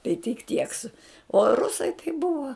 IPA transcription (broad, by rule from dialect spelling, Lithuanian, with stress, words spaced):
tɐɪ tʲɪk ˈtʲiɛk sʊ oː ˈrʊsɐɪ tɐɪ ˈbʊʋɐ